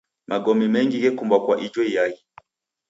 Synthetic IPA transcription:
mʔaɡɔmɛmɛŋɡiɡɛkumbwakwaʔid͡ʒwɔijai

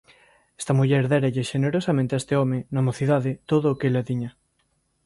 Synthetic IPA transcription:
est̪ɐmuʎɛɾðɛɾaʎɪʃeneɾosamẽnt̪eest̪eɔmɪnomoθiðaðɪt̪oðʊːkelaðiɲɐ

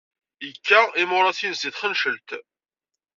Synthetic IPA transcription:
jəkːaimʊɾˤɑθinsd̪iθχənʃəlt̪

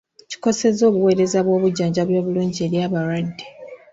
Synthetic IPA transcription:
ci̥ko̞se̞zo̞ːβuwe̞ːɾe̞zaβwo̞ːβuɟːaːɲɟaβjoːβuluːɲɟie̞ːɾjaːβaɾwadːe

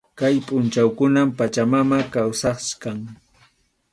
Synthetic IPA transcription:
kajpʼʊnt͡ʃawkʊnampat͡ʃamamakawsɑχskaŋ

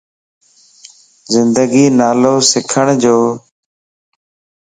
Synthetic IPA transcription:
zɪnd̪əɡiːnaːloːsɪkʰəɳd͡ʒoː

